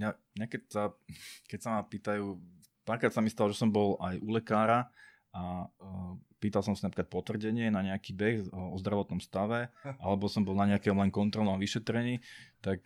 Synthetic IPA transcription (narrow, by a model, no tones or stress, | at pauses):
mɲamɲakɛcsakɛcsamapiːt̪ajuː | paːɾkɾatsamist̪alɔʒɛsɔmbɔlajʔulɛkaːɾa | a | piːt̪alsɔmsinapɾikat̪pɔt̪ʋr̩ɟɛɲɪɛnaɲɛakiːbɛxɔzd̪ɾaʋɔt̪nɔmst̪aʋɛʔa̰lɛbɔsɔmbɔlˠnaɲɛakɛɔmlɛŋkɔnt̪ɾɔlnɔmʋiʃɛt̪ɾɛɲiːt̪ak